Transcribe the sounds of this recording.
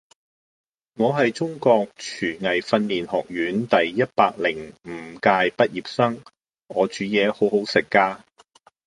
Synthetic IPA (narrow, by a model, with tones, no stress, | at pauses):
ŋɔː˨˧ɦɐ˨jt͡sʊ˥ŋkɔː˧k̚t͡ʃʰyː˨˩ŋɐ˨˩jfɐ˧nliː˨nhɔ̰ː˨˩k̚jyː˨˥nt̪ɐ˨jːɐ˥t̚paː˧k̚lɪ˨˩ŋm̩ː˨˩kaː˧jpɐ˥t̚jiː˨p̚sɐ˥ŋ | ɔː˨˧t͡ʃyː˨˥jɛː˨˧ho˨˥who˨˥wsɪ˨kːaː˧